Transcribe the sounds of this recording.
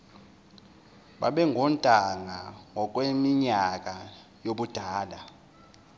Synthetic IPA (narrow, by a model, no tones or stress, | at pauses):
ɓa̰ɓɛŋʱɔntʼaŋaŋʱɔk̬ʼwemiɲakʼa | joɓud̥ʱaːɗa